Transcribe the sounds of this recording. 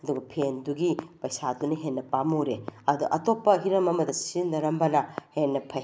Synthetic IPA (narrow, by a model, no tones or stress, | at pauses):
ɐduɡɐpʰenduɡipɐjsadunɐɦenːɐpamuɾeɐduʔɐtopːɐɦiɾɐmɐmɐdɐsindɐɾɐmbɐnɐhenːɐpʰɐ